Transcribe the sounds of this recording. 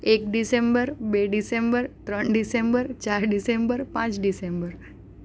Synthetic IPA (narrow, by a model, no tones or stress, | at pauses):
ekɖisembəɾbeɖisembəɾt̪ɾəɳɖisembəɾt͡ʃaɾɖisembəɾpãt͡ʃɖisembəɾ